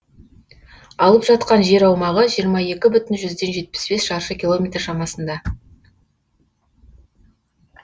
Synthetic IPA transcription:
ɑlˠəpʒɑt̪qɑnʒe̞ɾɑwmɑʁəʒijəɾmɑje̞kʲɪbʏt̪ɪnʒʏzd̪e̞nʒe̞t̪̚pɪ̥sbe̞sʃɑɾʃəkʲilˠo̞mejt̪rʃɑmɑsənd̪ɑ

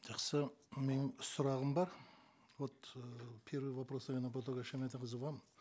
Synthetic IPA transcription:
ʒɑqsəmenɪŋsʊɾɑʁəmbɑɾ | wot̪pʲʰe̞ɾvəjvapɾosəmʲenapot̪oɡaʃæmet̪ɪqəzəvɑm

